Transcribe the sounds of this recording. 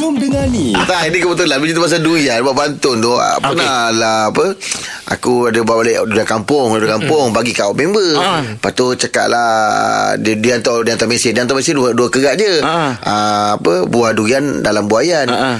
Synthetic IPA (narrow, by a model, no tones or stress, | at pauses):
dəŋanit̪ainikəbət̪̬ʊlabid͡ʒit̪umas̬aduianbaʔbant̪ʊnt̪ʊpənalahapə | a̰kuadəbaʔbalɛʔdujakampʊŋdəkampʊŋbaɡikaʔoʔmembəpat̪ut͡ʃaka̰ʔlah | dduant̪ɔdiant̪ɔʔmesɪndiant̪ɔʔmẽsɪnduduakəɡaʔd͡ʒəaapəbuahduiandalambuajan